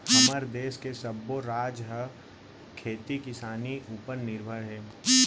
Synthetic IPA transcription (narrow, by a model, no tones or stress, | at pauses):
hɐməɾd̪eːskesɐbːoɾaːd͡ʒɦə | kʰeːt̪ikɪsaːniʔupəɾnɪɾbʱəɽɦɛː